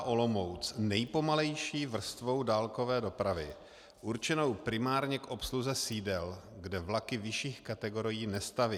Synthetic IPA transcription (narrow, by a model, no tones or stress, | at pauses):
ʔo̞lo̞mo̞wt͡snɛjpo̞malɛjʃiːvr̩st̪vo̞wdaːlko̞vɛːdo̞pɾavɪ | ʔuɾt͡ʃɛno̞wpɾɪmaːɾɲɛkʔo̞psluzɛsiːdɛlɡdɛvlakɪvɪʃiːxkat̪ɛɡo̞ɾɪjiːnɛst̪avɪ